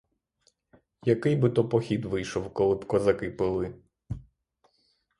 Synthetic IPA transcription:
jɐkɪjbɨt̪ɔpɔxʲid̪ʋɪjʃɔwkɔlˠɪbkɔzɐkɪpɪlˠɪ

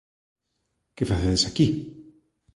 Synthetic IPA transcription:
kefaθeðesaki

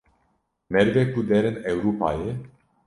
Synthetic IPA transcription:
merɡepud̪eɾɨnewɾupa̰je

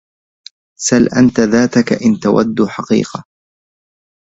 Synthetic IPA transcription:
salʔant̪aðaːt̪akaʔɪnt̪awa̰d̪ːuħɑqḭːqɑ

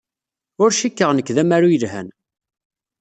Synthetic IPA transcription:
ʊɾʃikːəʁnəkːðæmaɾujəlɦæ̰n

